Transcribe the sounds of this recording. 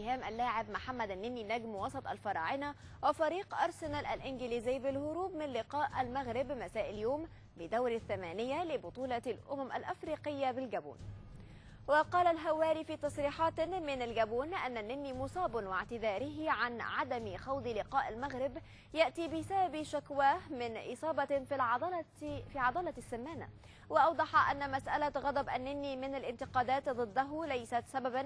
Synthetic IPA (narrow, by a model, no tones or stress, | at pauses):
ɪhaːmʔalːaːʕɪbmʊħamːæd̪anːɪnːinæɡmwɑsˤɑt̪ˤa̰lfɑɾˤɑ̰ːʕɪna | wɪfɑɾiːqʔɑɾˤsɪnɑlʔalʔɪnɡɪliːzɪjːbɪlɦʊɾuːbmɪnlɪqɑːʔalmaɣɾɪbmasaːʔɪljoːm | bɪd̪awɾaθːamæːnɪjːalɪbʊt̪ˤuːlɑlʔʊmamʔa̰lʔafɾiːqɪjːabɪlɡæbṵːn | wɪqɑːlalɦawæːɾifiːt̪ɑsˤɾiːħɑːt̪mɪnalɡabuːnʔanːanːɪnːimʊsˤɑːbnwɪʕt̪ɪðɑːɾɪɦɪʕanʕad̪amxɑwd̪ˤlɪqɑːʔalmaɣɾɪb | jaʔt̪iːbɪsababʃakwaːhmɪnʔɨsˤɑːbɑfˤ | fiːʕɑd̪ˤɑːlɑsːamːaːna̰ | wɑʔɑwd̪ˤɑħɑʔanːamasʔalaɣɑd̪ˤɑbʔanːɪnːimɪnalʔɪnt̪ɪqɑːd̪aːt̪d̪ˤɨd̪ːaɦʊlajsat̪sababan